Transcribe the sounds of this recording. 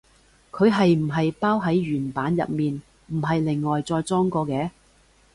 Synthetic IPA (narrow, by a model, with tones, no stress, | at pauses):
kʰɵ˨˧ɥɦɐ˨jm̩˨˩ɦɐ˨jpaː˥wɦɐ˨˥jɥyː˨˩npaː˨˥njɐ̰˨t̚miː˨n | m̩˨˩ɦɐ˨jlɪ˨˩ŋːɔː˨jt͡sɔː˧jt͡sɔː˥ŋkɔː˧kɛː˨˧˥